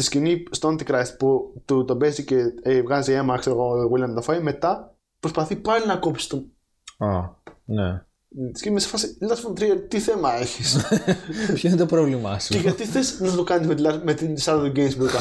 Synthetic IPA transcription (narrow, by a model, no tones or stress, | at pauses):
tiscinist̪oɐnt̪ikɾɐst̪put̪ut̪obeziceevɣɐziemɐkseɾoɣoðɣwilʲɐmt̪ofɐjme̞t̪ɐ | pɾospɐθipɐlinɐkopsi̥st̪o | ɐne | t̪iscinimese̥fɐsilɐsfont̪ɾiɐɾt̪iθe̞mɐe̞çis | çenit̪opɾovlimɐ̰seʝɐt̪iθesnɐtt̪okɐnizmet̪ilɐmet̪insɐɾðoɡejmsbukɐ